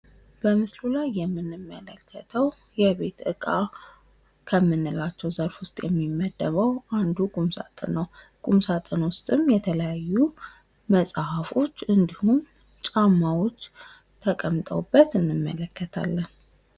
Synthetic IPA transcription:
b̥əmɨslulajːɛmːɨnːɨmːələkʰːət̪ʰəw | jɛβe̞t̪ʔɨkʼa | kʰəmːɨnːɨlat͡ʃːɛwzəɾfwʊst̪ʼjɛ̰mːimːəd̪ːəβəwʔand̪ukʼumsa̰t̪ʼɨ̰nːəw | kʼumsat̪ʼɨnwʊst̪ʼɨmjɛt̪ʰələjajːu | məsʼhafo̞t͡ʃːɨnd̪ihum | t͡ʃʼamːawo̞t͡ʃː | t̪ʰəkʼəmt̪ʼəwbːət̪ɨnːɨmːələkːət̪ʰa̰lːən

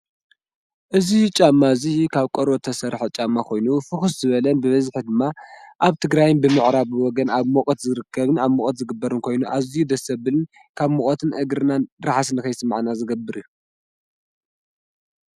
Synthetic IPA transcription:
ʔɨzit͡ʃʼamːazikʰaβkʼoɾot̪ʰɐsɐɾħot͡ʃʼamːakʰo̞jnufɨxuszɨβɐlɐnbɨβɐzħid̪ɨmːaʔaβt̪ʰɨɡɾajnbɨmɨʕɾaβwɔɡɐnaβmokʼt̪zɨɾɨkʰːɐβɨnaβmokʼot̪zɨɡɨbːɐɾɨnkʰo̞jnuʔazijud̪ɐsɐbɨlɨn | kʰaβmokʼot̪ʰɨnʔɨɡɾɨnanɾaħas̬ɨnɨkɐjsɨmːʕnazɨɡɐbːɨɾiju

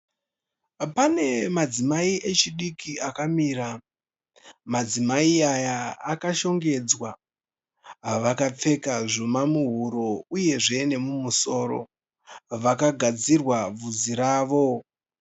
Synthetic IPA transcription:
pane̞mad͡zimaiʔe̞t͡ʃiɗikiakamiɾa | mad͡zimaiajaːkaʃo̞ŋɡe̞d͡zwa | ɦaʋakap͡fe̞kaʐomamuɦuɾouje̞ʐe̞ne̞mumuso̞ːɾo̰ | ʋakaɡʱad͡zirwab͡vud͡ziɾaːʋo̞

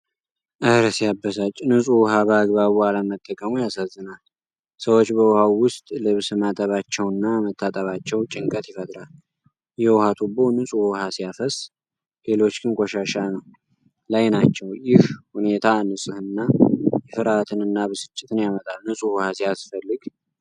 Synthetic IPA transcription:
ʔɨɾəsijabːəsat͡ʃʼːnɨsʼuwʊhabəːɡbaβualəmət̪ʼːəkʼəmujasazːɨnal | səwo̞t͡ʃːbəwʊhawːʊst̪ʼlɨβsɨmat̪ʼəβat͡ʃːɛwɨnːamət̪ʰːat̪ʼəβat͡ʃːɛwt͡ʃʼɪŋkʼət̪jɛfət̪ʼɾal | jɛwhat̪ʰubo̞nɨsʼuhhasijafəs | lelo̞t͡ʃːɡɨnkʷʼoʃaʃanəw | lajnat͡ʃːɛwjɪhhune̞t̪ʰanɨsʼɨhɨnːajɛfɨɾat̪ʰɨnɨnːabəsɨ̥t͡ʃʼːɪt̪ʰɨnjamət̪ʼalnɨsʼuhʊhasijasfəlːɨɡ

